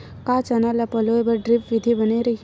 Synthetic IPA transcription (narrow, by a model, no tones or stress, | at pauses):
kat͡ʃanalapɐloːebɐɾɖɾɪpʋɪd̪ʱibɐneɾɐɦi